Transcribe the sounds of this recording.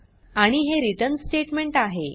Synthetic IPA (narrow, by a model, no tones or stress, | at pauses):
aɽ̃iɦeɾiʈənsʈeʈmeɳʈaɦe